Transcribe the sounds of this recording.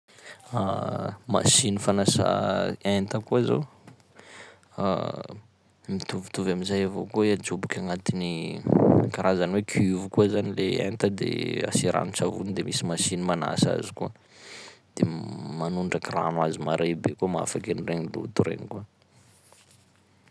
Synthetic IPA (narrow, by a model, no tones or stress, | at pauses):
ama̰sinifanasa̰ent̪əkuzo̰w | mit̪uvi̥t̪uvamizajavo̰kuad͡ʒubukʲaŋat̪ini | kaɾazaniwekʰivukuəzanileent̪əd̪ḛa̰siɾa̰nut͡savunid̪emisimasinimana̰sa̰zikuə | d̪̥emanuɳɖ͡ʐakira̰nazimaɾebekuəmaa̰fakenireɲilṵt̪uɾḛɲikuə